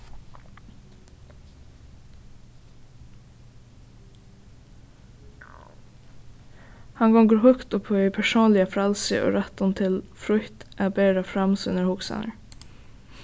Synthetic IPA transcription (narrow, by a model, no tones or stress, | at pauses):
hɑŋɡɔŋɡʉɾhʉkt̪ɔpʰːoœpʰæʃoːnlɪəfɾɛlsə̰ʔo̰ːɾɛt̪ʊnt̪ʰɪlfɾʉht̪ʔɛbeːɾɑfɹɛmsʉ̰nəhʊksɑ̰nə̰ɹ